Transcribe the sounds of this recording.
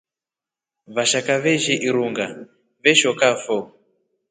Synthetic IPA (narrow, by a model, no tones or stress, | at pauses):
βaʃakaβeʒiʔiɾuŋɡa | βɛʃɔkafo